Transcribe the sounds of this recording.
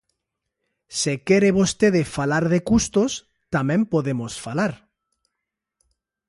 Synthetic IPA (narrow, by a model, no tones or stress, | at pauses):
sekeɾeβost̪eðefalaɾðekust̪os | t̪amẽmpoðemosfalaɾ